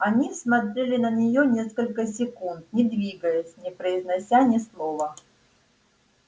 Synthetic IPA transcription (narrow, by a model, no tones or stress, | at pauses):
ɐnʲismɐt̪ɾʲelʲɪnənʲɪjonʲe̞skəlʲkəs̬ʲɪkunt̪̚nʲɪd̪vʲiɡəjəsʲnʲɪpɾəɪznɐsʲanʲɪslˠovə